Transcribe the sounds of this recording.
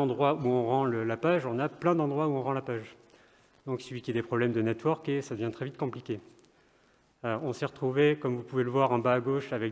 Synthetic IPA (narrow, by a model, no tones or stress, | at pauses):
ɑ̃d̪ʁwauɔ̃ʁɑ̃ləlapaʒɔ̃naplɛ̃d̪ɑ̃d̪ʁwauɔ̃ʁɑ̃lapaʒ | d̪ɔ̃ksəlɥikʲiad̪epχɔblɛmd̪ənɛt̪wɔʁkesad̪əvjɛ̃t̪χɛvit̪kɔ̃plikʲe | øɔ̃sɛʁət̪χuvekɔmvupuveləvwaʁɛ̃baːɡoʃavɛk